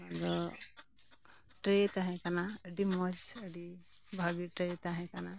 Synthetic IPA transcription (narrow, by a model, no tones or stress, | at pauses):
adɔ | ʈɾet̪aɦɛ̃kanaəɖimɔd͡ʒəɖi | bʱaɡiʈɾet̪aɦɛ̃kana